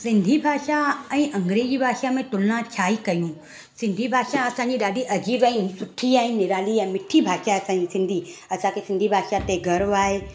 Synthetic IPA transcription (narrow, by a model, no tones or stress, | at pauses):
sɪ̃nd̪ʱibʱaːʃaɛ̃ːʔɐ̃ŋɡɾeːd͡ʑibʱaːʃamẽt̪ʊlnãt͡ɕʰaːikɐjũ | sɪ̃nd̪ʱibʱaːʃaɐsãɲd͡ʑiɗaːɖiʔɐd͡ʑibĩsʊʈʰiaːɦɪ̃nnɪɾaːliɛ̃ːmɪʈʰibʱaːʃaɐsãːisɪ̃nd̪ʱiɐsʰãkesɪ̃nd̪ʱibʱaːʃat̪eɡʱɐɾʋaːɦe